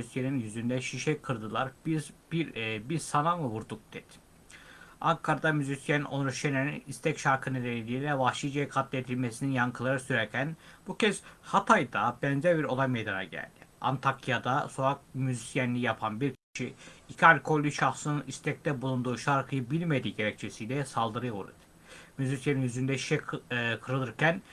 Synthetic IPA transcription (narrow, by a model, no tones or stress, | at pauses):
yisjeninjyzynd̪ɛʃiʃɛkʰɯɾd̪ɯlˠaɾbibɾbiɾsananlˠavuɾd̪uk̚d̪̥ɛt̪ | aŋkʰaɾad̪amyzisjɛno̞nɾuʃjenʲeninist̪ʰɛcʃaɾkʰɯnɯɾenilʲilʲɛvaxʃid͡ʒekʰat̪lʲed̪ilʲmesininjaŋkʰɯlˠaɾɯsyɾɛɾcʰænb̥ucʰɛz̥hat̪ʰajd̪abɛnzɛɾbiɾo̞lˠajmejd̪ana̰ɟæ̰lʲd̪̥ia̰nt̪ʰakʰijad̪aso̞ak̚myzisjɛnːʲijapʰanbiɾcʲʰi̥ʃiicʰalʲkʰo̞lʲːyʃaxsɯnɯnist̪ʰɛc̚t̪ɛbulˠund̪uːʃaɾkʰɯjɯbilʲmed̪iɟe̞ɾɛc̚t͡ʃʰesijlʲɛsalˠd̪ɯɾɯjvṵɾɯ̰d̪ɯ̥ | myzisjaninjyzynd̪ɛʃi̥ʃɛkʰɯɾɯlˠɯɾcʰæn